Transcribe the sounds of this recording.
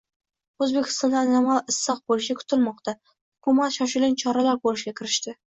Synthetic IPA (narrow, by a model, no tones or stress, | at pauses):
ɵzbekʲʰɪ̥st̪ɒnd̪anamalˠɪsːɑq̚bolɪʃakʰʊ̥t̪ʰɪlmɒqt̪a | hʊkʰʊmat̪ʃɒʃ̬ɪlɪnt͡ʃʰɒɾalaɾkolɪʃɡʲakʲʰɪɾɪʃt̪ɪ